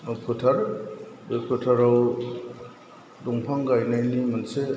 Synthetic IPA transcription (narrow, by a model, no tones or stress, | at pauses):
pʰutʰaɾbepʰutʰaɾaw | duŋpʰaŋɡajnajnimanse